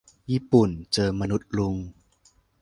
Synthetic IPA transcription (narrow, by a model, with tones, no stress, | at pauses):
jiː˥˩pu˨˩nt͡ɕɤː˧ma˧nu˦˥t̪̚lu˧ŋ